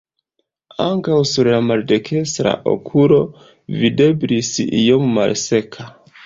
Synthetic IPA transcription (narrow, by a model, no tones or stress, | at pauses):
aŋkawsuɾlamalde̞kʰe̞stɾa̰ʔo̞̰kʰulo̞ | vide̞blisijomːa̰lse̞kʰa